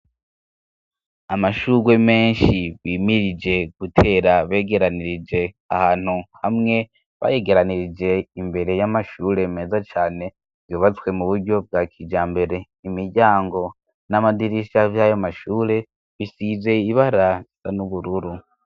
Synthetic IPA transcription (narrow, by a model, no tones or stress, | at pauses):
amaʃuːɾwe̞me̞ːnʃiβiːmiɾid͡ʒe̞ɡ̥utʰe̞ːɾaβe̞ːɡe̞ɾaniɾid͡ʒe̞ | a̰haːn̥huhamŋe̞ | βa̰je̞ɡe̞ɾaniɾid͡ʒe̞imbe̞ɾe̞jamaʃuːɾe̞meːzat͡ʃaːne̞ | v̥juːβat͡swe̞muβuɾɟo̞b̚ɡaːkʰid͡ʒaːmbe̞ɾe̞ | imiɾɟaːŋɡo̞ | namadiɾiʃavjajomaʃuːɾe̞ | βisize̞iβaɾaz̥anuβuɾuɾu